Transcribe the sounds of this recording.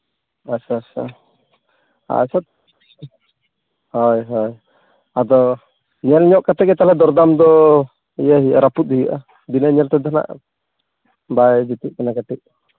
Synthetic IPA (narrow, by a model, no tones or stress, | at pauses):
asasa̰ | a̰sat̪ | hɔjɦɔj | ad̪ɔ | ɲɛlɲɔʔkat̪ɛkɛt̪alɛd̪ɔɾd̪amd̪ɔ | ijaɦiʔaɾaput̪̚hijaʔa̰ | d̪inaɲɛlt̪ɛd̪ana̰ʔ | bajd͡ʒit̪iʔkanakaʈiʔ